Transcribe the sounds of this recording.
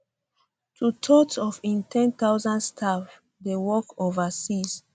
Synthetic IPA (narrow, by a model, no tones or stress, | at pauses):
tʰutʰɔtɔfĩntʰɛ̃nt̪aʊzãndstʰaf | dewɔkovasis